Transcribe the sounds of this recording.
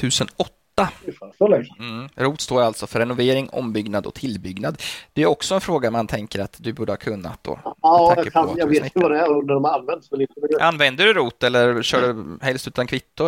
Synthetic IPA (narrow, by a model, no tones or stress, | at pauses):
t̪ʰʉ̟ːsənɔt̪ːaɔlɛɾuːt̪st̪oːɾalt̪sɔfœɾːɛnʊveːɾɪŋɔ̰mbʏɡnad̪ɔ̰kt̪ʰɪlːbʏɡnad̪d̪̥ɛæɾɔksɔɛnfɾoːɡamant̪ʰɛŋkəɾat̪d̪ɵbuːɖəhɑkʰɵnːa̰t̪̚d̪o̰akːəajɑveːtɪəvad̪ɛɾɔnæɖɔmɾanvɛnt̪sɛlit̪ɛʔanːvɛnd̪əɖɵɾuːt̪ɛlːəɾɕœːɖɵhɛlst̪ʉ̟ːt̪ankʰvɪt̪ːʊ